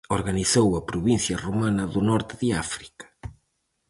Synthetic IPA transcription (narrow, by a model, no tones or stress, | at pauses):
oɾɣaniθowɐpɾuβin̟θjɐrumanɐðunɔɾt̪ɪðɪafɾi̥kɐ̥